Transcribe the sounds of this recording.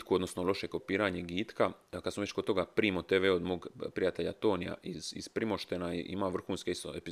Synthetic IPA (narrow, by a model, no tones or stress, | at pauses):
kuod̪nosnolo̞ʃeko̞piːɾaɲeɡiːt̪kakad̪smoʋet͡ɕkod̪t̪oɡapɾiːmot̪eːʋeod̪moːɡpɾijat̪e̞ʎat̪o̞ːnija̰ʔiz̥ḭzpɾimo̞ʃt̪enaiʔḭmaʋr̩xuːnskeist̪oepi